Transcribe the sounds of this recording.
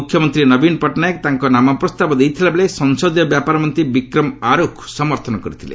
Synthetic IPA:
ukʰjɔmɔnt̪ɾinʌbinpɔʈnajekt̪aŋkɔnamɔpɾɔst̪abɔd̪ejt̪ʰilabelesɔŋsɔd̪jɔbjapaɾɔmɔnt̪ibikɾɔmaɾokʰsɔmɔɾt̪ʰɔnɔkɔɾit̪ʰilḛ

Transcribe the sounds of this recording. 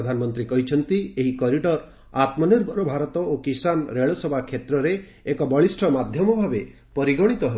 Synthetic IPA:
d̪ʱanɔmɔnt̪ɾikɔɦit͡ʃʰɔnt̪ieɦikɔɾiʈɔɾ | at̪mɔneɾbʱɔɾɔbʱaɾɔt̪ɔokisanɾeɭɔsɔbʱakʰet̪ɾɔɾeː | kɔbɔɭisʈʰɔmad̪ʱjɔmɔbʱabe | pɔɾiɡɔɽ̃it̪ɔɦe

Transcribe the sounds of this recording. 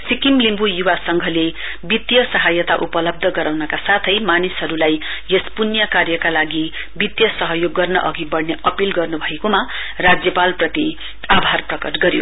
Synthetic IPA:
sikimlimbujuwasʌŋɡʱʌle | bit̪jʌsʌɦajʌt̪aʔupʌlʌb̚d̪ʱʌɡʌɾawnʌkasat̪ʰʌjmanisɦʌɾulaj | jespunjʌkarjʌkalaɡi | bit̪jʌsʌɦʌjoɡːʌrnʌ̰ʔʌɡibʌɽneʔʌpilɡʌrnubʱʌekoma | rad͡zjʌpalprʌt̪i | abʱarprʌkʌʈɡʌɾjo̰

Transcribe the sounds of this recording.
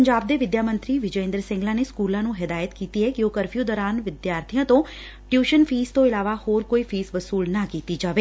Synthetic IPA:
əɲd͡ʒaːb̚d̪eːʋɪd̪jaːmə̃nt̪ɾiːʋɪd͡ʒəɪ̃nd̪əɾsɪ̃ŋɡlãːneːskuːlãːnũːɦɪd̪aːjət̪kiːt̪iːɦɛːkɪoːkəɾpʰjuːd̪ɔːɾaːnʋɪd̪jaːɾt̪ʰijãːt̪õː | ʈjuːʃənpʰiːst̪õːɪlaːʋaːhoːɾkoːiːpʰiːsʋəsuːlnaːkiːt̪iːd͡ʒaːʋeː

